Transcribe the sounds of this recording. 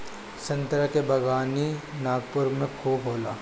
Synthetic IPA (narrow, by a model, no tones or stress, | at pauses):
sɐ̃nt̪ɾəkebɐɡaːninaːɡ̚pʊɾmẽkʰoːbʱɦoːlaː